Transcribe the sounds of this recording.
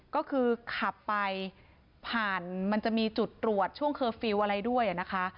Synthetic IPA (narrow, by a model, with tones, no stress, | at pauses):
kɔː˥˩kʰɯː˧kʰa˨˩pːa˧j | pʰaː˨˩nma˧nt͡ɕa˨˩ʔmiː˧t͡ɕu˨˩t̪ːɾu˨˩ət̪̚t͡ɕʰu˥˩əŋkʰɤː˧fi˧wʔa˧ɾa˧jdu˥˩əjʔa˨˩na˦˥kʰa˦˥